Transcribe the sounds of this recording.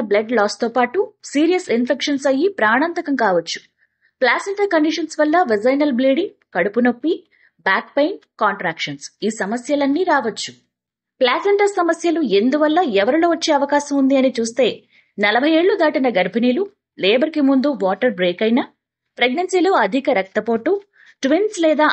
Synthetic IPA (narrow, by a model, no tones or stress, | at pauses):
blɐɖlaːst̪oːpaːʈusiːɾijɐsinpʰekʂɐnsɐjːipɾaːɳɐnt̪ɐkɐmkaːʋɐt͡ʃːu̥ | plaːseɳʈɐɾkɐɳɖiʂɐnsʋɐlːɐʋid͡ʒɐjnɐlbliːɽiŋ | kɐɽupunopːi | baːk̚pɐjnʈkaːɳʈɾaːkʂɐnsiːsɐmɐsjɐlɐnːiːɾaːʋɐt͡ʃːu̥ | plaːseɳʈɐɾsɐmɐsjɐlue̞nd̪uʋɐlːɐɛʋɐɾiloːʋɐt͡ʃːe̞ːɐʋɐkaːʃɐmund̪iɐnit͡ʃuːst̪e̞ː | nɐlɐbʱɐje̞ːɭːud̪aːʈinɐɡɐɾbʱiniːlu | leːbɐɾikimund̪uʋaːʈɐɾbɾeːkɐjnɐ | pɾeɡnɐnsiːloːɐd̪ʱikɐɾɐk̚t̪ːɐpoːʈu | ʈʋinslɛːd̪aː